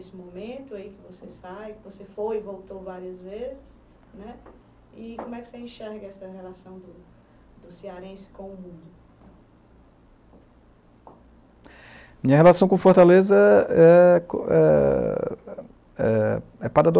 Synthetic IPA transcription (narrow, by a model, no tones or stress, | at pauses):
esɪmõmẽt̪ʊaikɪvosesabkɪvosefojɪvowt̪owvaɾiɐzvezɪs | nɛ | ikõmʊɛkɪ̥seĩʃɛɾɡɐɛsɐhelasɐ̃w̃d̪ʊ | d̪ʊsiaɾẽsɪ̥kõʊmũd̪ʊ | mĩɲɐɦelasɐ̃w̃kõfoɾt̪alezɐɛkoɛ | ɛ̰ɛpad̪ad̪o